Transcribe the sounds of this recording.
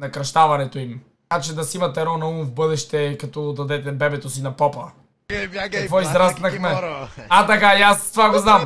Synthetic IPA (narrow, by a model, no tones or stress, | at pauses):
nɐkɾɐʃt̪avɐnɛt̪oim | at͡ʃɛd̪ɐsimɐt̪ɛɾɔnɐumvbɤd̪ɛʃt̪ɛkɐt̪ɔd̪ɐd̪ɛt̪ɛbɛbɛt̪osinɐpɔpə | kɐvɔizɾast̪nɐxmɛat̪ɐkajast̪ovaɡoznam